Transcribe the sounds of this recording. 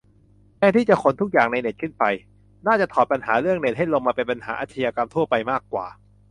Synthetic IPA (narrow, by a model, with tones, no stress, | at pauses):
kɛː˧˩t̪ʰiː˥˩t͡ɕa˨˩kʰo˨˧˦nt̪ʰu˦˥k̚jaː˨˩ŋna˧jne˨˩t̪̚kʰɯ˥˩npa˧j | naː˥˩t͡ɕa˨˩t̪ʰɔː˨˩pa˧nɦaː˩˦ɾɯ˥˩əŋne˨˩t̪̚ha˥˩jlo˧ŋmaː˧pe˧npa˧nha̰ː˩˦ʔaː˧t̪ʰːa˧jaː˧ka˧mt̪ʰu˥˩ɐpa˧jmaː˥˩kːwa̰ː˨˩